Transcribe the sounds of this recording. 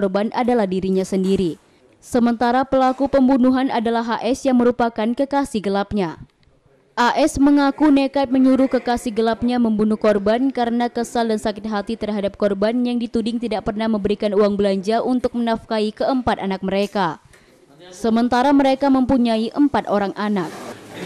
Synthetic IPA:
ɔrbanʔadalahdiɾiɲasəndiɾi | səmənt̪aɾapəlakupəmbunuɦanadalaɦaʔɛsjaŋməɾupakankəkasihɡəlap̚ɲa | ʔaʔɛsməŋakunekat̪̚məɲuɾukəkasihɡəlap̚ɲaməmbunuhkɔrbankaɾənakəsaldansakɪt̪̚ɦat̪it̪ərɦadap̚kɔrbanjaŋdit̪udɪŋt̪idaʔ̚pərnahməmbəɾikanuaŋbəlaɲd͡ʒaʔunt̪ʊk̚mənafkaikəəmpat̪anak̚məɾeka | səmənt̪aɾaməɾekaməmpuɲaiʔəmpat̪oɾaŋʔanak̚

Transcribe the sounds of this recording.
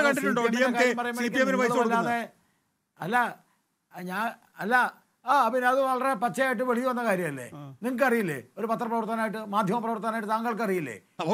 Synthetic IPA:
kɐɳɖiʈːuɳɖomɖiɐɐmkaːɾɐmpɐrɐjumːɐikːiemɐnbɐðɐlːaːðe | ɐlːɐ | ɲaː | ɐlːɐ | aːɐpinɐðɨʋɐɭɐrepɐt͡ɕːɐjaːjiʈ̬ːɨʋeɭijuʋɐnːɐkaːɾjɐmɐlːḛniŋkɨɐrijilːḛo̞ɾupɐt̪ːrɐprɐʋɐrt̪ɐnaːjiʈ̬ːɨmaːd̪ʱjɐmɐprɐʋɐrt̪ɐnaːjiʈːɨt̪aːŋɡɐɭk̬ɐrijilːḛː

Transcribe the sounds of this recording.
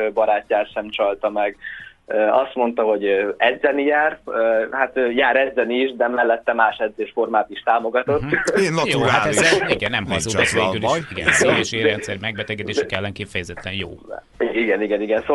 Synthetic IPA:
bɒɾaːcːaːt̪ʃɛmt͡ʃɒlt̪ɒmɛɡøɒst̪mo̞nt̪ɒɦo̞ɟøɛd̪zɛnijaːrøhat̪øjaːɾɛd̪zɛniʃd̪ɛmɛlːɛt̪ːɛmaːʃɛd̪zeːʃfo̞rmaːt̪iʃt̪aːmo̞ɡɒt̪o̞t̪ːejoːhaiɡɛnːɛmɦɔsoɛseːyliʃiɡɛ̰seːjɛʃeɾɛnt̪sɛɾimɛɡ̚bɛt̪ɛɡɛd̪eːʃɛkɛlːɛŋkifɛjɛzɛt̪ːɛnjo̰ː | iɡɛniɡɛniɡɛnso

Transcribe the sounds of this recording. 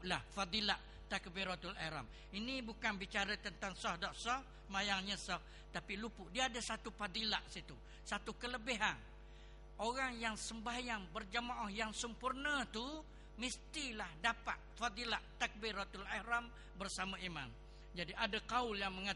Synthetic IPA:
lahfad̪ˤilaʔ | t̪ak̚biɾɔt̪ulahɾa̰m | inibukanbit͡ʃaɾət̪ənt̪aŋsɔhdɔʔsɔh | əmajaŋɲəsɔh | t̪apilupuʔdiaːdəsat̪ufad̪ilaʔsit̪u | sat̪ukələbiɦan | oɣaŋjaŋsəmbajaŋbərd͡ʒəmaʔɔhjaŋsəmpurnət̪u | mist̪ilahdapa̰t̪̚fad̪ilaʔt̪ak̚biɾɔt̪ulahɾam | bərsamaʔima̰m | d͡ʒadiʔadakaʊljaŋməŋa

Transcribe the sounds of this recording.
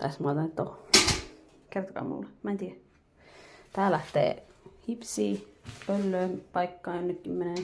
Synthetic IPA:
t̪æsmɑˑt̪ɑnyt̪t̪oh | kert̪o̥kɑ̰ːmṵlːemæːnt̪i | t̪æːlæht̪ḛːhipsiːpølːøːpɑikːɑːjonːekːymmːeneː

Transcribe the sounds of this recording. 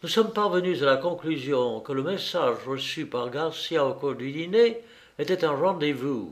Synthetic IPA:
nusɔmpaʁvənyzalakɔ̃klyzjɔ̃kələmesaʒʁəsypaʁɡaʁsjaokuʁd̪yd̪ine | et̪ɛt̪ɛ̃ʁɑ̃d̪evu

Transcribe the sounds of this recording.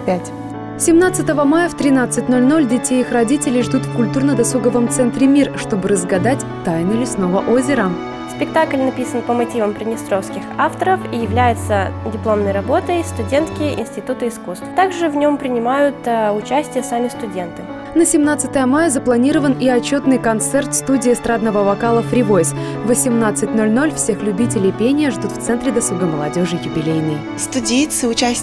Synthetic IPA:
pʲætʲ | sʲɪmnat̪sɨt̪əvəmajəft̪ɾʲɪnat̪sɨtʲnolʲno̞lʲdʲɪtʲejixrɐdʲitʲɪlʲɪjʐd̪ut̪fkʊlʲt̪urnəd̪ɐsuɡəvəmt̪sɛnt̪ɾʲɪmʲirʂt̪o̞bɨɾəzɡɐd̪atʲt̪ajɪnʲɪlʲɪsnovəʔozʲɪɾə | spʲɪk̚t̪aklʲnɐpʲisənpəmɐtʲivəmpɾʲɪdnʲɪst̪ɾofskʲɪxaft̪əɾəfijɪvlʲæjɪt̪sədʲɪplˠo̞mnəjɾɐbo̞t̪əjst̪ʊdʲe̞nt̪kʲɪʔɪ̰nsʲtʲɪt̪ut̪ɨɪskust̪ft̪aɡʐɨvnʲo̞mpɾʲɪnʲɪmajʊt̪ʊt͡ɕæsʲtʲɪjəsamʲɪst̪ʊdʲe̞nt̪ɨ | nəsʲɪmnat̪sɨ̥t̪əjəmajəzəplˠɐnʲiɾəvəniɐt͡ɕːo̞t̪nɨjkɐnt̪sɛrt̪st̪udʲɪːst̪ɾad̪nəvəvɐkalˠəfɾʲɪvosʲ | vəsʲɪmnat̪sɨt̚ʲno̞lʲno̞lʲfsʲexlʲʉbʲitʲɪlʲɪpʲenʲɪjəʐd̪ut̪ft̪sɛnt̪ɾʲɪd̪ɐsˠuɡəməlˠɐdʲo̞ʐɨjʊbʲɪlʲejnɨ | st̪ʊdʲejt̪sɨʊt͡ɕæsʲ

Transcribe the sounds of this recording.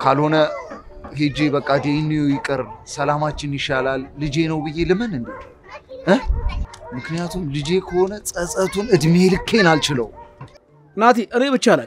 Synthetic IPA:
kʰalho̞nə | ɦed͡ʒe̞bəkʼːad̪enːijojɪkʼːəɾnsəlamat͡ʃːɪnjɪʃalalːɨd͡ʒe̞nəwbɨjːe̞lɨmənɨnd̪en | ʔɨhmɨknijat̪ʰumlɨd͡ʒe̞kʰəho̞nəsʼəsʼət̪ʰunɨd̪melɨkːenalt͡ʃɪlə̰w | nat̪eʔɨne̞βbɨt͡ʃːala

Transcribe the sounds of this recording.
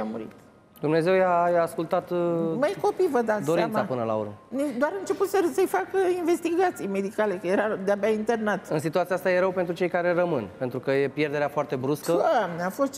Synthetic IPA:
amuɾḭt̪ | d̪umne̞ze̞wjajaːskult̪at̪məjko̞pivəd̪at̪dsd̪oɾiantmsapɨnəla̰o̰ɾməned̪oaɾɨnt͡ʃe̞put̪səsəjfakəiɱve̞st̪iɡat̪sijme̞d̪ikale̞kəjeɾad̪eabaint̪e̞rnat̪ɨnsit̪uat̪siast̪aje̞ɾəwpent̪ɾut͡ʃe̞jkaɾe̞rəmɨnpent̪ɾukəje̞pje̞rd̪e̞ɾeafoart̪e̞bɾuskəamneafo̞st̪

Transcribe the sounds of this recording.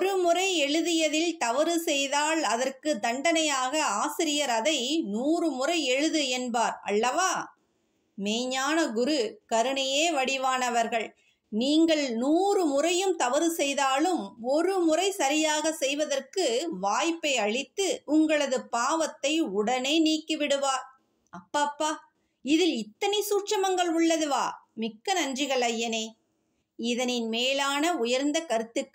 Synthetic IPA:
ɔɾɯmʊrɐɪɛɻɯðɪjɐðɪlt̪ɐʋɐɾɯsɛjðaːɭɐðɐrkɯd̪ɐɳɖɐnɐjaːɣɐaːsɪɾɪjɐɾɐðɐɪnuːrɯmʊrɐɪɛɻɯðɯɛnbaːɾɐ̰lːɐʋaː | meːɲaːnɐɡʊɾɯkɐɾɯɳɐjeːʋɐɽɪʋaːnɐʋɐɾɣɐɭ | niːŋɡɐɭnuːrɯmʊrɐjɯmt̪ɐʋɐɾɯsɛjðaːlɯmɔɾɯmʊrɐɪsɐɾɪjaːɣɐsɛjʋɐðɐrkɯʋaːjpːɐɪɐɻɪt̪ːɯʔʊŋɡɐɭɐðɯpaːʋɐt̪ːɐɪʊɽɐneːniːkːɯʋɪɽɯʋaːɾ | ɐpːaːpːaː | ɪðɪlɪt̪ːɐnɛɪsuːt͡ʃɐmɐŋɡɐɭʊɭːɐðɯʋa̰ːmɪkːɐnɐndrɪɣɐɭɐjːɐneː | ɪðɐnɪnmeːlaːnɐʊjɐɾnd̪ɐkɐɾɯt̪ːɯkː

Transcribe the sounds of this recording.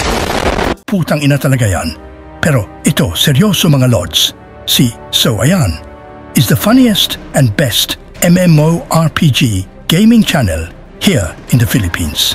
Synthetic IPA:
pʰut̪ʰãŋɪ̃nat̪ʰaləɡajã̰n | pʰɛɾoɪt̪osɛɹjosomãŋəlɔ̰dz̥ | si | soʊʔa̰jan | ɨzðəfʌniɨstɨ̃nbɛst | ɛ̃mɛ̃moʊʔɑɹpʰid͡ʒi | ɡ̥ẽɪ̃mɪ̃ŋt͡ʃʰænə̰lˠ | hiɹɨ̃nðəfɪlɨpʰḭ̃ːnz̥

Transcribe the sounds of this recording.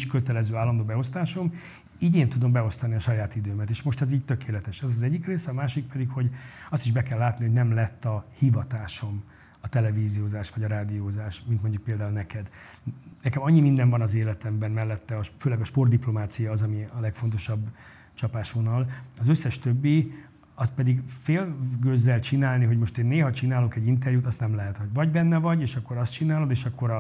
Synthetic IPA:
ʃkøt̪ɛlɛzøːaːlːɒnd̪oːbɛo̞st̪aːʃo̞m | iːɟeːnt̪ud̪o̞mbɛo̞st̪ɒniɒʃɒjaːt̪id̪øːmɛt̪eːʃmo̞ʃt̪ɛziːɟ̚t̪ø̞keːlɛt̪ɛʃɛzɒzɛɟːikreːsɛɒmaːʃik̚pɛd̪ikho̞ɟɒst̪iʒbɛkɛlːaːt̪niho̞ɟnɛmlɛt̪ːɒhivɒt̪aːʃo̞m | ɒt̪ɛlɛviːzioːzaːʃʋɒɟɒɾaːd̪ijoːzaːʃmint̪mo̞ɲɟuk̚peːld̪aːulnɛkɛd̪ | nɛkɛmɒɲːimind̪ɛɱvɒnɒzeːlɛt̪ɛmbɛnmɛlːɛt̪ːɛɒʃføːlɛɡɒʃpo̞rd̪iplo̞maːt̪sijɒːzɒmiɒlɛkfo̞nt̪o̞ʃɒbː | t͡ʃɒpaːʃʋo̞nɒlɒzøsːɛʃt̪øbːi | ɒst̪̚pɛd̪iɡfeːlɡøzːɛlt͡ʃinaːlniɦoɟmo̞ʃt̪eːnːeːɦɒt͡ʃinaːlokɛɟːint̪ɛrjuːt̪ɒst̪nɛmlɛɦɛt̪ho̞ɟvɒɟbɛnːɛvɒɟeːʃɒkːo̞ɾɒst̪t͡ʃinaːlo̞d̪eːʃɒkːo̞ɾɒ

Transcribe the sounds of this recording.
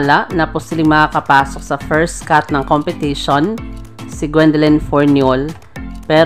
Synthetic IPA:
laʔnɐpʊsiblɪŋmɐkakɐpaːsok̚sɐfɛɹst̪kat̪̚nɐŋkompɛt̪iʃonsɪɡwɛnd̪ɛlɛnfoɹnjol | pɛː

